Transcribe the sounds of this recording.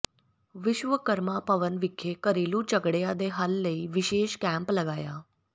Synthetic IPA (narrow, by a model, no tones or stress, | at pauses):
ʋɪɕʋəkəɾmapəʋənʋikʰːekəɾelũːt͡ɕəɡɽejad̪eɦəlːəiʋiɕeɕkæ̃mpləɡaja